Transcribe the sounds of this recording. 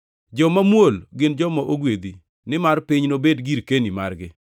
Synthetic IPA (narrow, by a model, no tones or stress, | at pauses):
d͡ʒɔmamwolɡɪnd͡ʒɔmɔʔoɡwed̪i | nɪmarpɪɲnobedɡiɾkenima̰rɡɪ̰